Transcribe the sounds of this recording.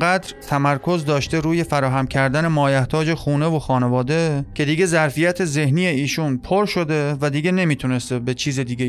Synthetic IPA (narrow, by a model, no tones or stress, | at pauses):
ɢæd̪ɾt̪ʰæmæɾkʰo̞zd̪ɒːʃt̪e̞ɾuːje̞fæɾɒːɦæmcʰæɾd̪æne̞mɒːjæht̪ʰɒːd͡ʒe̞xuːne̞vo̞xɒːne̞vɒːd̪e̞cʲʰe̞d̪iːɡezæɾfijæt̪ʰe̞ze̞hniːjeiːʃunpʰoɾʃo̞d̪e̞væd̪iːɡe̞ne̞miːt̪ʰune̞st̪ebe̞t͡ʃʰiːzed̪iːɡʲe